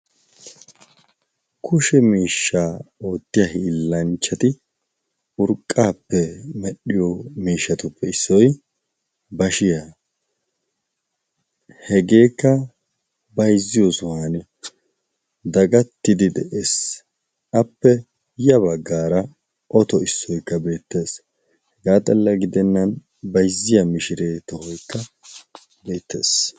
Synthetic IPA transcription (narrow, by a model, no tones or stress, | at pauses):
kʰʊʃɛmiːʃːaːoːt̪ːɪjɐɦiːlːɐnt͡ʃːɐt̪ɪ | ʊɾkʼːaːpːɛmɛɗɪjomiːʃːɐt̪ʊpːɛɪsːɔj | bɐʃɪja | hɛɡe̞ːkːɐ | bɐjzːɪjosʊhaːn | d̪ɐɡɐt̪ːɪd̪ɪd̪ɛʔeːs | ʔɐpːɛ | jɐbɐɡːaːɾɐ | ʔɔt̪ɔɪsːɔjkːɐbe̞ːt̪ːe̞ːs | hɛɡaːt̪ʼɐlːɐɡɪd̪ɛnːɐn | bɐjzːɪjɐmɪʃɪɾeːt̪ɔhɔjkːɐ | be̞ːt̪ːe̞̰ːs